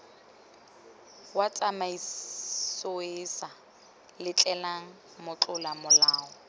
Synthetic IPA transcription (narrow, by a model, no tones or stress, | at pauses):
wat͡sʼamaisoesa | lɪt͡ɬʼɛlaŋ̩ | mʊt͡ɬʼʊlamʊlaːɔ